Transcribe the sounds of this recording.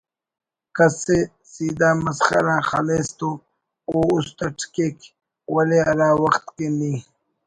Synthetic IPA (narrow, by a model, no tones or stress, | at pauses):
kase | sid̪aːmɐsχa̰ɾãːxalest̪o | oust̪aʈʰkek | waleaɾaːwɐxt̪keni